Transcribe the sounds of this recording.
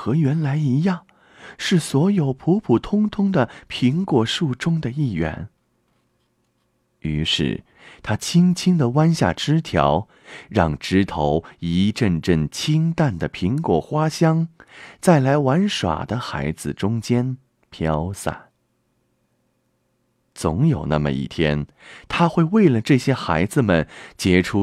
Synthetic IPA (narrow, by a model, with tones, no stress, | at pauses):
xɤ˧˥ɥɛ˧˥nla˧˥ɪi˧˥jɑ˥˩ŋ | ʂɻ̩˥˩swɔ˧˥jo˨˩ʊpʰu˧˥pʰu˨˩t̪ʰʊ˥ŋt̪ʰʊ˥ŋd̪ə˨pʰi˧˥ŋkwɔ˨˩ʂu˥˩ʈ͡ʂʊ˥ŋd̪ə˨i˥˩ɥɛ̰˧˥˦n | y˧˥ʂɻ̩̰˥˩ | t̪ʰa˥t͡ɕʰi˥ŋt͡ɕʰi˥ŋd̪ə˨wa˥nɕja̰˥˩ʈ͡ʂɻ̩˥t̪ʰjɑ̰˧˥ʊ | ɻɑ˥˧ŋʈ͡ʂɻ̩˥t̪ʰo˧˥ʊi˧˥ʈ͡ʂə˥˧nʈ͡ʂə˥˩ŋt͡ɕʰi˥ŋt̪a˥˩nd̪ə˩pʰi˧˥ŋkwɔ˨˩xwa˥ɕjɑ˥ŋt͡sa˥˩ɪla˧˥ɪwa˧˥nʂwa̰˨˩d̪ə˦xa̰˧˥ɪd͡zɹ̩˧ʈ͡ʂʊ˥ŋt͡ɕjɛ˥n | pʰjɑ˥ʊsa̰˥˩n | t͡sʊ˧˥ŋjo˨˩ʊna̰˥˩mə̰˨˩ḭ˥˩t̪ʰjɛ˥n | t̪ʰa˥xwe˥˧ɪwe˥˩ɪlə˩ʈ͡ʂɤ˥˩ɕjɛ˥xa˧˥ɪd͡zɹ̩˧mə˨˩nt͡ɕjɛ˧˥ʈ͡ʂʰu˥